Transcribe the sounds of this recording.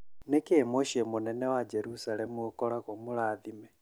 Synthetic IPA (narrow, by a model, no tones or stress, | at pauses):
nekeːmoʃiɛmonɛnɛwad͡ʒɛɾusalɛmuokɔɾaɣomoɾaːðimɛ